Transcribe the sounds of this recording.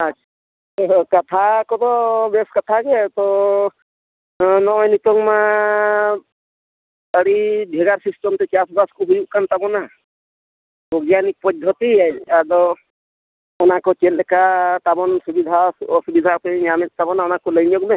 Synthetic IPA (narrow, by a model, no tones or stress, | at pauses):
at͡ʃʰa | kat̪ʰakɔt̪ɔbeskat̪ʰaɡet̪ɔ | nɔɔjnit̪ɔŋma | əɽibʱɛɡaɾsisʈɔmt̪ɛt͡ʃasbaskɔɦujuʔkant̪abɔna | bɔɡjanik̚pɔd̪ʱɔt̪iaadɔ | ɔnakɔt͡ʃellɛkat̪abɔnsubid̪ʱaɔsubid̪ʱapəiɲamɛt̪̚t̪abɔnaɔnakɔləjɲjɔɡmɛ